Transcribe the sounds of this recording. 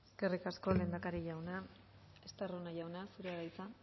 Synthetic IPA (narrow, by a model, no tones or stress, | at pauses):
eske̞rikasko̞le̞ːnd̪akaɾiʝawna | est̪aronaʝawnasuɾeaɾajt͡sa